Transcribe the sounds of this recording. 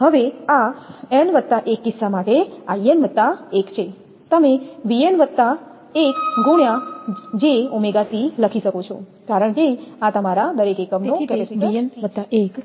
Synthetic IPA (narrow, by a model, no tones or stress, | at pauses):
ɦəʋeaenʋət̪ːaʔekːɪsːamaʈeaienʋət̪ːaekt͡ʃʰe | t̪əmeʋienʋət̪ːa | ekɡuɳjad͡ʒeumeɡat̪iləkʰiʃəkot͡ʃʰo | kaɾəɳkeat̪əmaɾad̪əɾekekəmnokɛpesiət̪ːaek